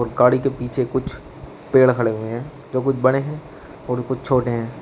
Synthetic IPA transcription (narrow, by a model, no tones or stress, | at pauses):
ɔːɾɡaːɽikepiːt͡ʃʰekʊt͡ʃʰ | peːɽkʰɐɽeɦʊeɦɛ̃ː | d͡ʒoːkʊt͡ʃʰbɐɽ̃eɦɛ̃ː | ɔːɾokʊt͡ʃʰt͡ʃʰoːʈeɦɛ̃ː